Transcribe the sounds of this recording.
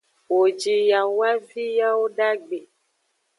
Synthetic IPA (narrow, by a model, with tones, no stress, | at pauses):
wo˨d͡ʒi˨ja˨wa˦vi˦ja˦wo˦ɖa˦ɡ͡be˨